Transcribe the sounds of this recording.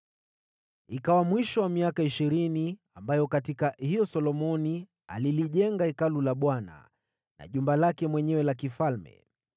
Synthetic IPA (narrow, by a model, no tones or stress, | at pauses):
ikawamwiʃɔwamiakaiʃiɾiniambajɔkatikahijɔsɔlɔmɔni | a̰liliʄɛŋɡaikalulaɓwana̰ | na̰ʄumbalakɛmwɛɲɛwɛlakifalmɛ̰